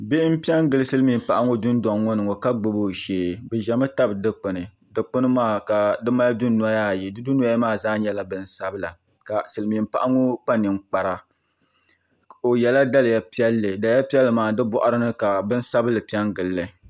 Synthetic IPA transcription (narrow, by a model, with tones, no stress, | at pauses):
be˦ʔm̩˦pi˦ɛ˦ŋɡɨ˨lɨ˦sɨ˦lɨ˦mi˨m̩˦˨pa˨ʔa˦ŋo˦dʊ˦n˦da˨ŋŋɔ˦nɨ˨ŋɔ˨ka˦ɡ͡bʊ˦bo˦˨ʃeː˨bɛ˨ʒɛ˨mɨ˦ta˦bɨ˨dɨ˦k͡pɨ˨nɨ˨ | dɨ˨k͡pʊ˦nɨ˦maː˦˨ka˨dɨ˦ma˦ldʊ˦nu˦a˦ja˦˨ji˨dɨ˦du˦n˦a˦a˦maː˦˨zaː˦ɲɛ˦la˨bɨ˦n̩˦sa˦bɨ˦la˨ | ka˨sɨ˨lɨ˨mi˨m̩˨pa̰˦ʔa˦ŋo˦k͡pa˦nɨ˨ŋ͡mk͡pa˨ɾa˨ | o˨jɛ˨la˦da˦lɨ˨ja˦pi˦ɛ˦lːɨ˨da˨˦ja˦pi˦ɛ˦lːɨ˨maː˨dɨ˦bɔ˦ʔa˦ɾɨ˦nɨ˦ka˨bɨ˦n̩˦sa˦bɨ˦lɨ˨pi˦ɛ˦ŋɡɨ˨lːɨ˨